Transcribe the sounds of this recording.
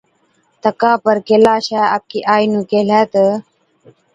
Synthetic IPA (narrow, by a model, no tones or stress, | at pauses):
t̪əkãːpəɾkelaːɕaːaːp̚kiːʔaːjnũːkelat̪ə